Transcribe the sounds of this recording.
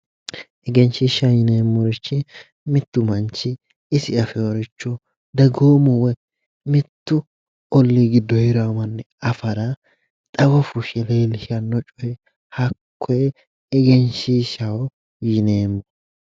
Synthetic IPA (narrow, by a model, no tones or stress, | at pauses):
ʔɛɡɛnʃiːʃɐjɪneːmːʊɾɪt͡ʃːɪ | mɪt̪ːʊmɐnt͡ʃːɪ | ɪsɪɐfɛɔɾɪt͡ʃːɔ | d̪ɐɡoːmʊwɛ | mɪt̪ːʊ | ɔlːiːɡɪd̪ːɔhɪɾamɐnːɛ | ɐfɐɾɐ | t̪ʼɐwɐfʊʃɛleːlɪʃɐnːɔt͡ʃʼɔjɛ | hɐkʰːɔɛ | ɛɡɛnʃiːʃɐwɔ | jɪneːmː